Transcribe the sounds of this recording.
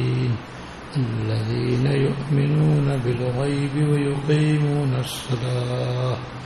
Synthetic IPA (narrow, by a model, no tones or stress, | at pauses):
iːn | ʔalːaðiːnajʊʔmɪnuːnabɪlɣɑjbɪwajʊqiːmuːnɑsˤːɑlɑː